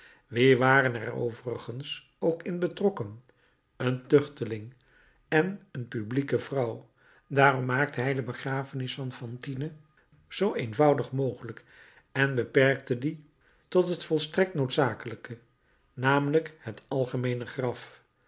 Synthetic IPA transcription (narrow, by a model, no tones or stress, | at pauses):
ʋɪːʋaːrənɛrro̰wvərəχəns | owkɪnbətrɔkən | əntɵχtəlɪŋ | ɛnənpyblikəvrʌw | daːrɔmːaːk̚təɦɛjdəbəχraːfənɪsfɑnfɑntinə | z̥owejnvʌwdəχmowχələk | ɛnbəpɛɹk̚tədi | tɔtɦətfɔlˠstrɛk̚tnotsaːkələkə | naːmələkhətɑlˠχəmejnəχrɑf